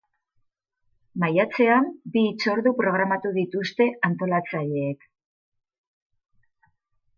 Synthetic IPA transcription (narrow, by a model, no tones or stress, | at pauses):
majat͡se̞ambiːt͡so̞ɾðupɾo̞ɣ̞ɾamat̪uðit̪ust̪e̞ant̪o̞lat͡saʎe̞ːk